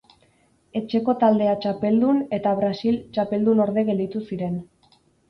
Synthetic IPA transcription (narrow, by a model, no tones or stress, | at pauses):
e̞t͡ʃe̞ko̞t̪ald̪e̞at͡ʃape̞ld̪une̞t̪aβɾasilt͡ʃape̞ld̪uno̞ɾðe̞ɣe̞ld̪it̪usiɾe̞n